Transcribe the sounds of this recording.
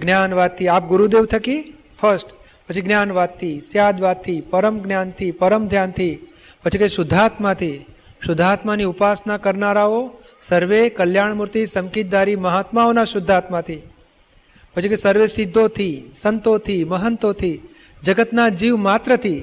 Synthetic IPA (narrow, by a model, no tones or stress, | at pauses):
ɡnjanʋat̪ʰːiap̚ɡʊɾud̪eʋt̪ʰəki | fʰəɾsʈ | pət͡ʃʰiɡnjanʋat̪ʰːisjad̪ʋat̪ʰːipəɾəmɡnjant̪ʰipəɾəmd̪ʱjant̪ʰi | pət͡ʃʰikeʃʊd̪ʱat̪mãt̪ʰi | ʃʊd̪ʱːat̪maniupasnakəɾnaɾao | səɾʋekəljaɳmuɾt̪isəmkit̪̚d̪aɾiməɦat̪maonaʃʊd̪ʱːat̪mat̪ʰi | pət͡ʃʰikesəɾʋesɪd̪ʱːot̪ʰisənt̪ot̪ʰiməɦənt̪ot̪ʰi | d͡ʒəɡət̪nad͡ʒiʋmat̪ɾət̪ʰi